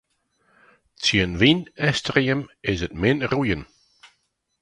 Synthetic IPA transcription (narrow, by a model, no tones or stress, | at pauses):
t͡sjənvinɛstɾiəmɪzətmɪnrujən